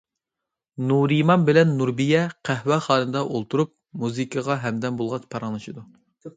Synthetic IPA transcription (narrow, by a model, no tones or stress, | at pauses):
nuɾimɑnbɪlɛnːuɾbijɛqʰæhwɛχɑːnɨd̪ɑʔolˠt̪ʰuɾup̚muzɨkʰəʁɑɦɛmd̪ɛnbolˠʁɑt͡ʃpʰɑɾɑŋlˠɨʃid̪u